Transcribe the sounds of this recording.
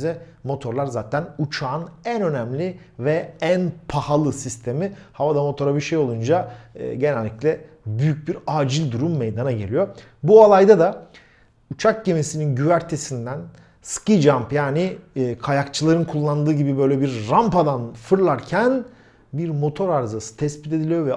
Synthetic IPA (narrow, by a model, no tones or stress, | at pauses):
zɛ | mo̞t̪ʰo̞ɾlˠaɾzaːt̪ʰænut͡ʃʰaːnænø̞næmlʲi | vɛænpʰahalˠɯsist̪ʰe̞mihavad̪amo̞t̪ʰo̞ɾabiʃejo̞lˠund͡ʒa̰ɟe̞nælʲːiclʲɛ | byjyc̚biɾaːd͡ʒilʲd̪uɾumːejd̪anaɟe̞lʲijo̞ | bualˠajd̪ad̪a | ut͡ʃʰak̚ɟe̞mesininɟyvæɾt̪ʰe̞sind̪æn | skid͡ʒampjaːniːkʰajakt͡ʃʰɯlˠaɾɯnkʰulˠːand̪ɯːɟibibø̞jlʲɛbiɾɾampad̪anfɯɾlˠaɾcʰæn | biɾmo̞t̪ʰo̞ɾaɾzasɯ̥t̪ʰɛspi̥t̪ʰe̞d̪ilʲijo̞vɛ